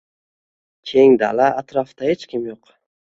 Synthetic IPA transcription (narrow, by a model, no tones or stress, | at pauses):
kʲʰeŋd̪a̰laʔːt̪ɾaft̪ahet͡ʃkʲʰɪmjoq